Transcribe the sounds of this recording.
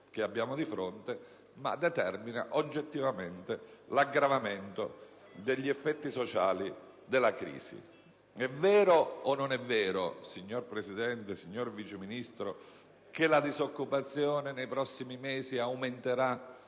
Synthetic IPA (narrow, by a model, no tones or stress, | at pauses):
k̟eabːjaːmod̪ifɾont̪e | ma̰d̪ɛt̪ɛrmina̰ʔod͡ʒːet̪ːivament̪elaɡɾavament̪o̰ | d̪eʎːiɛfːɛt̪ːisot͡ʃaːli | d̪elakɾḭːsḭ | ɛvɛːɾoːnːonɛvːɛːɾo̰siɲːorpɾesid̪ɛnt̪esiɲːorvit͡ʃeminist̪ɾo | kelad̪izokːupat̪sːjɔːnenejpɾɔsːimimeːziawment̪eɾa